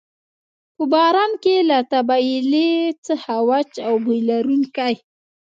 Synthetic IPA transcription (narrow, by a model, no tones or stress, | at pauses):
pəbaɾamkelat̪abailet͡səhawat͡ʃawbujlaɾuŋkaj